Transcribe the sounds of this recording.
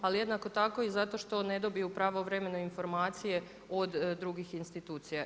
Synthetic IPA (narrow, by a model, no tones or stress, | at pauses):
alije̞d̪nako̞t̪ako̞izat̪o̞ʃt̪o̞ne̞d̪o̞bijupɾaːʋoʋɾeme̞noinfo̞ɾmaːt̪sije̞ | od̪ːɾuɡixinst̪it̪uːt̪sija